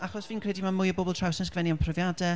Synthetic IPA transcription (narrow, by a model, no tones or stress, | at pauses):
aχɔsviːnkʰrɛdimamʊjəbɔblˠtʰr̥awsɛskʰvɛniampʰrəvjadɛ